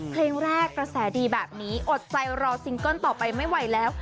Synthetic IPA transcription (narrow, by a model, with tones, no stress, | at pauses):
pʰleː˧ŋɾɛː˥˩kːɾa˧sɛː˩˦diː˧bɛː˨˩p̚niː˦˥ʔo˨˩t̪̚t͡ɕa˧jɾɔː˧si˧ŋko˥˩nt̪ɔː˨˩pa˧jma˥˩jwa˨˧jlɛː˦˥w